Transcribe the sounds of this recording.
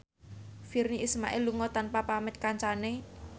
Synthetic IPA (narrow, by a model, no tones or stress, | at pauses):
firniʔisma̰ʔɪluŋɔt̪anpapamɪt̪̚kaɲt͡ʃane